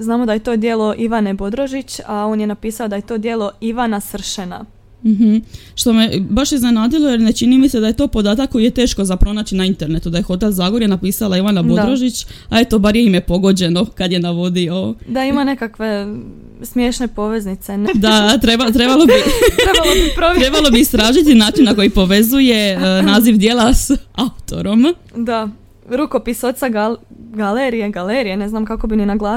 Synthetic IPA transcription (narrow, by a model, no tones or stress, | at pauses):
znaːmod̪ajet̪o̞d̪jelˠo̞ʔiʋanebo̞d̪ɾoʒit͡ɕao̞ːnjenapiːsaod̪ajet̪o̞d̪je̞lˠo̞iʋanasr̩ʃena̰ | m̩ɦm̩ | ʃt̪o̞mebaʃizne̞naːd̪ilˠo̞jeɾne̞t͡ʃinimised̪aje̞t̪o̞ːpo̞d̪aːt̪akːo̞jijet̪e̞ːʃko̞zapɾo̞naːt͡ɕinaint̪e̞ɾne̞t̪ud̪aje̞xo̞t̪̬ezaːɡoɾjenapiːsalˠaiʋanabo̞d̪ɾo̞ʒit͡ɕae̞t̪obaɾjeimjepo̞ɡo̞d͡ʑe̞no̞kad̪je̞naʋo̞d̪iod̪aimane̞kakʋe | smjeʃnepo̞ʋe̞znit̪send̪at̪ɾebat̪ɾe̞balˠobit̪ɾealobipɾoɾe̞balo̞biist̪ɾaːʒit̪inaːt͡ʃinːako̞jipo̞ʋe̞zuje̞naːziʋd̪je̞ːlˠasaut̪o̞̰ɾo̞m | d̪a | ɾukopisot̪saɡaɡaleɾijeɡaleɾijeneznamkako̞bininaɡla